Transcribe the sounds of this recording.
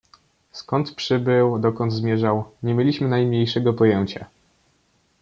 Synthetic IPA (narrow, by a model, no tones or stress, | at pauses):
skɔnt̪pʂɘbɘwd̪ɔkɔnd̪zmʲjɛʐawɲɛmʲjelʲiɕmɘnajmɲejʂɛɡɔpɔjɛɲt͡ɕa̰